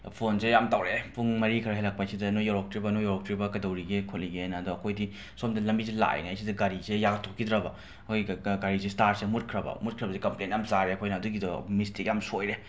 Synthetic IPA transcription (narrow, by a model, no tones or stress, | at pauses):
pʰonzejamtawɾepʰuŋmɐɾikʰɐɾɐɦejlɐk̚pasidɐnojaɾɔk̚tɾibɐnojɔɾɔktɾibɐkɐdɐwɾiɡekʰoliɡenɐdɔɐkʰojdi | somdɐlɐmbizila̰j̰naajsidɐɡaɾizejaɡɐtʰokːidɾɐbɐ | ɐkʰojɡiɡaɾizestaɾsemut̚kʰɾɐbɐ̰mut̚kʰɾɐbɐsikɐmplenjamzaɾeɐkʰojnɐɐduɡidmistikjamsojɾe